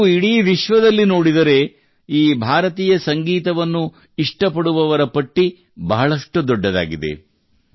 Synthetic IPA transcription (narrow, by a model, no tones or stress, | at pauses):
iɽiːʋiʃʋɐd̪ɐlːino̞ːɽid̪ɐɾe̞ | iːbʱaːɾɐt̪iːjɐsɐŋɡiːt̪ɐʋɐnːu | iʂʈɐpɐɽuʋɐʋɐɾɐpɐʈːi | bɐɦɐɭɐʂʈud̪ɔɖːɐd̪a̰ːɡid̪e̞̰